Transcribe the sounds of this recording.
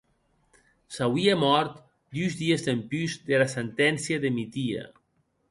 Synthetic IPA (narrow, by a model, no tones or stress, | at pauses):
sawiemɔɾt̪ | ʎyzðiezd̪empyzðelasent̪ɛnsiaðemit̪ia̰